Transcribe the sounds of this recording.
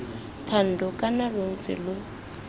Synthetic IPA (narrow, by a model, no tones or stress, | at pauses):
tʰan̩dɔkʼanaloŋ̩t͡sʼɪ̰lʊ